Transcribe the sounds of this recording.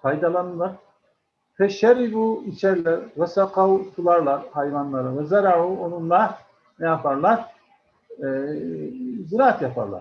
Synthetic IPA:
kʰajd̪alˠanɯlˠaɾ | fɛʃɛɾibuit͡ʃʰɛɾlʲɛɾvɛsaqʰawt̪ʰulˠaɾlˠaɾhajvanlˠaɾɯvɛzaɾaʕuonunlˠa | nɛjapʰaɾlˠaɾ | ziɾaːat̪japʰa̰ɾlˠa̰ɾ

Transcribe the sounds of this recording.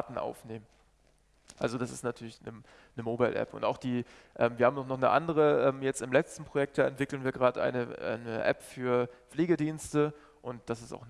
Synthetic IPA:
tn̩ʔa̰ʊfneːmən | ʔalzodasɪstnatʰyːɐlɪçnə | nəmoːbaɪlʔɛ̰pʊ̰nta̰ʊxd̥iː | ʔɛːmviɐhaːmnɔχnɔχnəʔa̰ndəʁəʔɛːmjɛt͡stɪmlɛt͡stn̩pʁ̥ojɛk̚td̥aːɛ̰ntv̥ɪkl̩n̩viːɐɡəʁaːdəʔa̰ɪnəʔa̰ɪnəʔɛ̰pfyːɐp͡ffleːɡədiːnstə | ʔʊnt̚d̥asɪsta̰ʊxn

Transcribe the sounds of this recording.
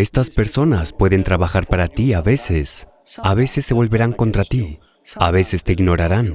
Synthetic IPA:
e̞st̪aspe̞ɾso̞naspwe̞ðe̞nt̪ɾaβaxaɾpaɾat̪iaβe̞se̞s | aβe̞sesːe̞βo̞lβe̞ɾaŋko̞nt̪ɾat̪i | aβe̞se̞st̪e̞iɡno̞ɾaɾan

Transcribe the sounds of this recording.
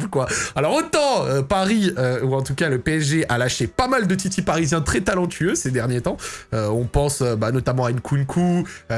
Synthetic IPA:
vkwaalɔʁot̪ɑ̃øpaʁiøuɑ̃t̪ukʲaləpeɛʒeʔalaʃepamald̪ət̪it̪ipaʁizjɛ̃t̪χɛt̪alɑ̃t̪ʰyøsed̪ɛʁnjet̪ɑ̃øɔ̃pɑ̃søbanɔt̪amɑ̃aynkʰunkʰu

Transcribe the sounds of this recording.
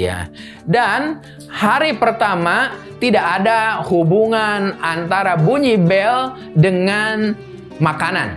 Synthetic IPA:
ja̰ | dan | haɾipərt̪ama | t̪idaʔːdahubuŋanant̪aɾabuɲibɛl | dəŋan | makana̰n

